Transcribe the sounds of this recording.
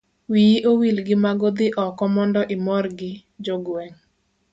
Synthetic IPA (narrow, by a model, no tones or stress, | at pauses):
wijiʔowilɡɪmaɡod̪ɪʔɔkɔmɔndɔʔɪmɔrɡɪ | d͡ʒoɡwɛŋ